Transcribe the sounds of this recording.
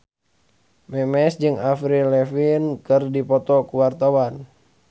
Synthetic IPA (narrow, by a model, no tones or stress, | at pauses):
mɛmɛsd͡ʒɨŋafɾilɛfinkɨrdipɔt̪ɔkuwart̪awan